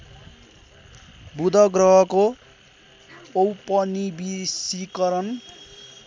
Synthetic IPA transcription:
bud̪ʱʌɡrʌɦʌko | owpʌnibisikʌɾʌn

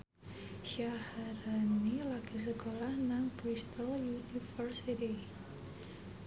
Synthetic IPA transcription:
ʃahaɾanilaɡ̥is̬əkolahnaŋpɾist̪aljunifərsit̪i

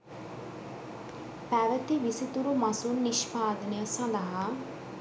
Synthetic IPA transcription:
pɛːʋət̪iːʋɪset̪uɾumaːsuːnːɪʃpaːd̪neəsãːd̪aɦaː

